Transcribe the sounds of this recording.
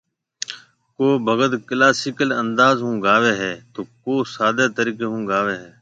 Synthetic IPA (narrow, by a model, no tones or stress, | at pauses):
koːbʱəɡəd̪klaːsɪkələnd̪aːzɦũːɡʱaːʋeːɦɛːt̪oːkoːsaːd̪eːt̪əɾiːkeːɦũːɡʱaːʋeːɦɛː